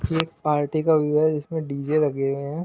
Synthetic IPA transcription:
kieːk̚paːɾʈikaʋɪd͡ʒɾaɦɛd͡ʒɪsmẽɖiːd͡ʒeɾɐɡẽɦɛ̃ː

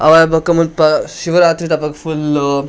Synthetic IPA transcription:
aʋajbəkːaməpaɕiʋəɾat̪ɾit̪apakful

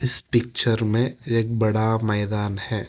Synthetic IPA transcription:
ɪspɪk̚t͡ʃəɾmẽeːk̚bɐɽamɛːd̪aːnhɛː

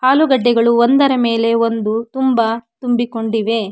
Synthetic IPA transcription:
haːluɡɐɖːɛɡɐɭuond̪ɐɾɐme̞ːle̞ond̪ut̪umbat̪umbiko̞ɳɖiʋe̞

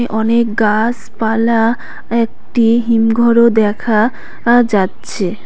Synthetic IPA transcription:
eʔɔnekɡas | pala | ek̚ʈiɦimɡʱɔɾod̪ɛkʰa | d͡ʑatːɕʰe

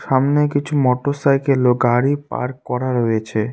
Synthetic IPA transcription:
ʃamnekit͡ɕʰumɔʈosajkeloɡaɾip̚a̰ɾkɔɾaɾojet͡ɕʰe

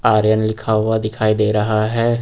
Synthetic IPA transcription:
aːɾjənlɪkʰaːwad̪ɪkʰaːid̪eːɾɐɦaɦɛː

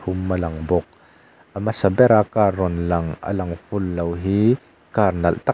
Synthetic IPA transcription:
umːəlɐŋbɔk̚ | ʔəmasɐbɛɾakaːrːɔnlɐŋʔə̰lɐŋfʊlːowɦi | karnɐlt̪ɐ

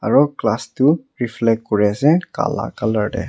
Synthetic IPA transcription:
aɹɔklastuɹiflɛkkɔɹɛsɛka̰la̰kaləɹɖɛ̰

